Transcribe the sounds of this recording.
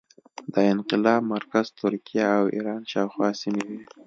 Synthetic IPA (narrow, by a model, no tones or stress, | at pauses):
d̪əɪnqɪlɑb̚maɾkaz̥t̪ʊɾkijaːwḭɾɑnʃɑwxwɑsimewi